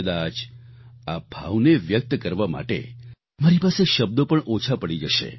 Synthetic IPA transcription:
əd̪ad͡ʒabʱa̰ʋneʋjək̚t̪kəɾʋama̰ʈḛ | maɾipaseʃəb̚d̪opəɳʔot͡ʃʰapəɽid͡ʒəʃḛ

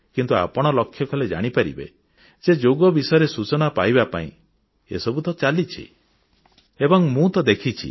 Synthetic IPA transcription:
kint̪ua̰pɔɽ̃ɔlɔkʰːjɔkʰɔled͡ʒa̰ɽ̃ipaɾḭbḛ | d͡ʒed͡ʒoɡɔbisɔjɔɾesut͡ʃɔnapajbapa̰ḭ̃ | ḛsɔbut̪ɔt͡ʃalit͡ʃʰḭ | ebɔŋmũt̪ɔd̪ekʰit͡ʃʰḭ

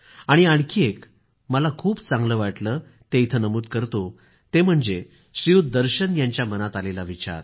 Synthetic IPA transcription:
aɽ̃iaɽ̃kʰiek | məlakʰuːbt͡sãŋɡləːʋaʈləː | t̪eit̪ʰənəmuːd̪kəɾt̪o | t̪em̤əɳd͡ze | ɕɾiud̪əɾɕənjaɲt͡ɕjamənat̪alelaʋit͡ɕa̰ɾ

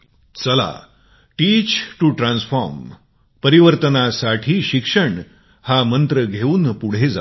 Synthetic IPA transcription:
t͡səla̰ | ʈiːt͡ɕʈuʈɾãnsfɔɾm | pəɾiʋəɾt̪ənasaʈʰiːɕikʂəɳ | hamənt̪ɾəɡʱeuːnpuɽ̤ed͡za̰

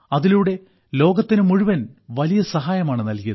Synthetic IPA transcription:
ɐðiluɽe̞ | lo̞ːɡɐt̪ːinɨmuɻuʋɐnʋɐlijɐsɐɦaːjɐmaːɳɨnɐlkijɐðɨ

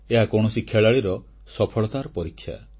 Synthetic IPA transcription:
eɦakɔɳ̃ɔsikʰeɭaɭiɾɔ | sɔpʰɔɭɔt̪aɾɔpɔɾikʰːja̰

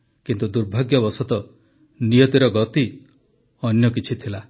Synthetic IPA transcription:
kint̪ud̪uɾbʱaɡjɔbɔsɔt̪ɔ | nijɔt̪iɾɔɡɔt̪i | ɔnjɔk̬it͡ʃʰit̪ʰila

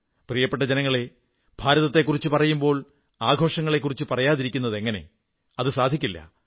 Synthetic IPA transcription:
prijɐpːeʈːɐd͡ʑenɐŋːɐɭe | b̥ʱaːɾɐðɐt̪ːe̞kːurit͡ɕːɨpɐrɐjumbo̞ːɭ | aːɡʱo̞ːʂɐŋːɐɭe̞kːurit͡ɕːɨpɐrɐjaːðiɾikʲːunːɐðe̞ŋːɐne̞̰ | ɐðɨsaːd̪ʱikʲːilːɐ̰

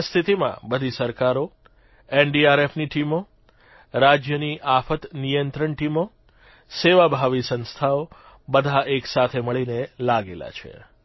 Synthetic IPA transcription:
st̪ʰit̪imã̰bəd̪ʱisəɾkaɾo | enɖiaɾefniʈimo | ɾad͡ʒjəniʔafət̪nijənt̪ɾəɳʈimo | seʋabʱaʋisə̃nst̪ʰao | bəd̪ʱaʔeksat̪ʰeməɭinelaɡela̰t͡ʃʰḛ

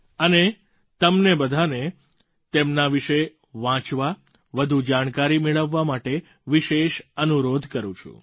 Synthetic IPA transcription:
əne | t̪əmnebəd̪ʱane | t̪emnaʋiʃe | ʋãt͡ʃʋa | ʋəd̪ʱud͡ʒaɽ̃kaɾimeɭəʋːamaʈe | ʋiʃeʃənuɾod̪ʱkəɾũt͡ʃʰṵ̃

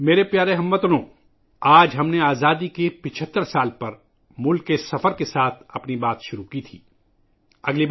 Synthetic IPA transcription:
meːɾepjaːɾeɦɐmːət̪nõː | aːd͡ʒɦɐmneaːzaːd̪ikepɪt͡ʃʰət̪ːəɾsaːlpɐɾ | mʊlkːesɐfəɾkesaːt̪ʰɐpnibaːt̪ʃʊɾukit̪ʰiː | ɐɡli

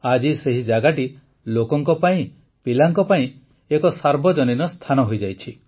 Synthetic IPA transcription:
ad͡ʒiseɦid͡ʒaɡaʈi | lokɔŋkɔpaĩ | pilaŋkɔpaĩ | ekɔsaɾbʱɔd͡ʒɔninɔst̪ʰanɔɦojd͡ʒajt͡ʃʰi

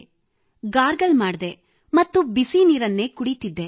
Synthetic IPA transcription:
ɡaːɾɡɐlmaːɽd̪e | mɐt̪ːubisiniːɾɐnːe̞ːkuɽit̪id̪ːe

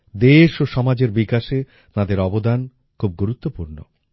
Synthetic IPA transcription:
d̪eʃoʃɔmad͡ʑeɾbikaʃe | t̪ad̪eɾɔbod̪an | kʰub̚ɡuɾut̪ːopuɾno̰

